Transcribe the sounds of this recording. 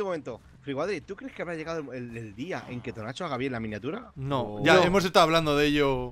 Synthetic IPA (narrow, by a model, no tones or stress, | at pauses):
ummẽ̞nt̪o | fɾiɣwaðɾit̪ukɾe̞skeaβɾaʝe̞ɣaðoeleld̪iaʔeŋke̞t̪onat͡ʃoaɣaβjelamĩnjat̪uɾanoʝaoemos̬est̪aðβland̪oðeʝo